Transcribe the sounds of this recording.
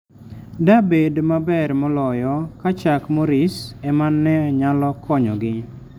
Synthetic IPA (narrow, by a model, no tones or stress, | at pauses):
dabedmabɛɾmɔlɔjɔkat͡ʃakmɔɾɪsɛmanːɛɲalɔkʰɔɲɔɡɪ